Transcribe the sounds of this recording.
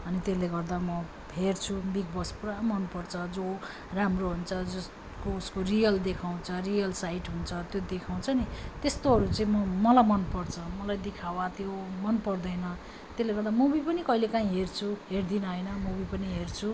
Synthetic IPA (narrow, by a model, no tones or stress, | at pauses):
ʌnit̪eleɡʌrd̪amʌ | ɦert͡sʰubiɡ̚bʌspuɾamʌnpʌrt͡sʰʌd͡zo | ramroɦunt͡sʰʌd͡zʌs | kouskorijʌld̪ekʰaw̃t͡sʰʌrijʌlsaiʈɦunt͡sʰʌt̪jod̪ekʰaw̃t͡sʰʌnit̪est̪oɦʌɾut͡saĩmʌmʌlajmʌnpʌrt͡sʰʌmʌlajd̪ekʰawat̪jomʌnpʌrd̪ʌjnʌ | t̪esleɡʌrd̪amubipʌnikʌɦilekaɦĩɦert͡sʰuɦerd̪inʌɦʌjnʌmubipʌniɦert͡sʰu